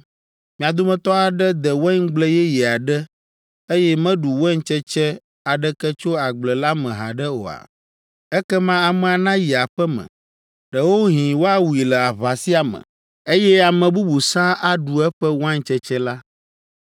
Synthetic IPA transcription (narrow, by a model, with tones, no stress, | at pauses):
mĩ˨a˨d̪o˦mɛ̃˦t̪ɔ˦a˨ɖɛ˦d̪ɛ˨wɛ˦ŋ˦ɡ͡blɛ˦jɛ˦ji˨a˨ɖɛ˦ | e˦jɛ˦mɛ̃˦ɖu˨wɛ˦ŋ˦t͡ʃɛ˦t͡ʃɛ˦ | a˨ɖɛ˦kɛ˦t͡ʃo˦a˨ɡ͡blɛ˨la˦mɛ̃˨ɦa̰˨ɖɛ˦o̰˨a̰˨ | ɛ˦kɛ˦mã˦a˨mɛ̃˨a˨nã˦ji˨a˨ɸɛ˦mɛ̰̃˨ | ɖɛ˨wo˦ɦĩ˨wo˦a˦wu˨i˨lɛ˨a˨βa˨si˦a˨mɛ̰̃˨ | e˦jɛ˦a˨mɛ̃˨bu˦bu˨sã˦ʔa˦ɖu˨ɛ˦ɸɛ˦wo˦ã˦ŋ̩˦t͡ʃɛ˦t͡ʃɛ˦la˦